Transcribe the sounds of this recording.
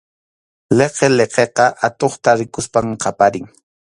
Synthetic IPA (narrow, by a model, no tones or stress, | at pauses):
leqeleqeqɑʔat̪oχt̪aɾɪkʊspamqɑpaɾɪŋ